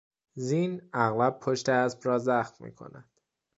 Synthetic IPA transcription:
ziːnæɣlæb̚pʰoʃt̪eæsbɾɒːzæxmmḭːkʰo̰næd̪̥

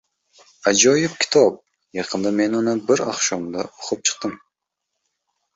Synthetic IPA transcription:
ad͡ʒɒjɪp̚kʲʰɪ̥t̪ʰɒp̚ | jɑqʰɨnd̪ame̞nʊnɪbɪɾaχʃɒmd̪aʔoqʰɨp̚t͡ʃʰɨ̥q̚t̪ɨm

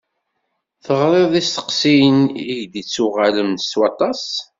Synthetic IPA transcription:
θəʁɾˤeðˤist̪ə̥qsijniʝd̪it͡sːuʁaləmnst̪wɑt̪ˤɑs

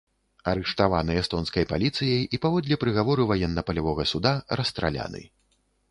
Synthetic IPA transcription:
ɐɾɨʂt̪ava̰nɨɛst̪ɔnskɐjpalʲit̪sɨjɐjipavɔd̪ʲlʲɐpɾɨɣavɔɾɨvajɛnːɐpɐlʲavɔɣɐsud̪aɾɐst̪ɾa̰lʲa̰nɨ̰

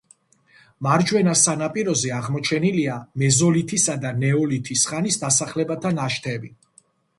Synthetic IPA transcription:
maɾd͡ʒwɛnasanapʼiɾɔzɛaʁmɔt͡ʃʰɛniliamɛzɔlit̪ʰisad̪anɛɔlit̪ʰisχanisd̪asaχlɛbat̪ʰanaʃt̪ʰɛbi

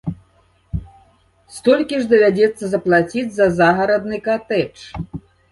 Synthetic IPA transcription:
st̪ɔlʲkʲiʐd̪ɐvʲad͡zʲɛt̪sːɐzɐplˠat͡sʲid͡zʲzɐzaɣɐɾɐd̪nɨkat̪ɛt͡ʂ

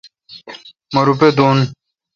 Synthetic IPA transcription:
mɐɾuped̪oːn

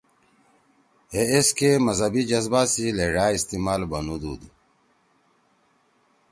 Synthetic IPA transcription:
eeskemɐzɐbid͡ʑɐzbaːsileɖaːist̪imaːlbɐnud̪ṵːd̪u

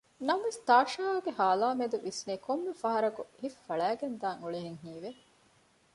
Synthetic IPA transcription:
nɐmʋest̪aːʃaːɐɡehaːlaːmed̪uʋisniːkʰomːefɐɦɐɾɐkuhifːɐɭæːɡend̪aːŋuɭeɦeŋɦiːʋe

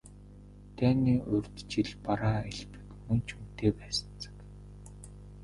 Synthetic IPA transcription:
t̪ʰæːniːʔɵrʲt̪t͡ɕiɮpaɾaːiɮpɘ̆kmɵnt͡ɕʰumt̪eːpæːsə̥̆nt͡sə̥̆k

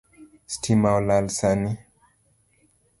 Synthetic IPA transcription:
stʰimawlalsani

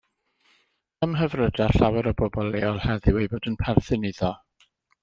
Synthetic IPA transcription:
əmɦəvrədaɬawɛɾɔbɔbɔlˠeːɔlˠhɛðɪwejbɔdənpʰɛrθɨniðɔ

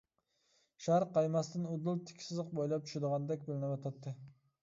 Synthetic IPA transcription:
ʃæɾqɑjmɑst̪ɪnʊd̪ɨlˠt̪ʰɪ̥kʲʰsɨzɨq̚bojlˠɑp̚t͡ʃ̪ʰy̥ʃɪd̪əʁɑnd̪ɛk̚ʲbɪlɪnɪbɑt̪ʰɑt̪ʰːɨ

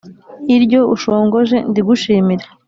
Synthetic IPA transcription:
iɾɟo̞uʃoːŋɡo̞ʒe̞ndiɡuʃiːmiɾe

